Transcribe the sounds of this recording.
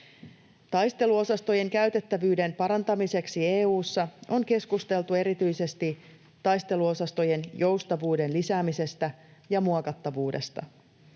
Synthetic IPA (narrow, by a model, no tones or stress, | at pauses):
t̪ɑjst̪e̞luo̞sɑst̪o̞je̞ŋkæɥt̪e̞t̪ːæʋyːde̞mpɑɾɑnt̪ɑmise̞ksie̞ːuːsːɑo̞ŋke̞skust̪e̞lt̪ue̞ɾit̪yjse̞st̪i | t̪ɑjst̪e̞luo̞sɑst̪o̞je̞njo̞wst̪ɑʋuːde̞nlisæːmise̞st̪æjɑmuɑkɑt̪ːɑʋuːde̞̰st̪ɑ̰